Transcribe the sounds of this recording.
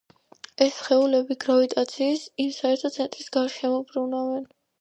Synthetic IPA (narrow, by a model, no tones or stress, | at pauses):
ɛsχɛulɛbiɡɾavit̪ʼat̪sʰiːsimsaɛɾt̪ʰɔt̪sʰɛnt̪ʼɾisɡaɾʃɛmɔbɾunavɛn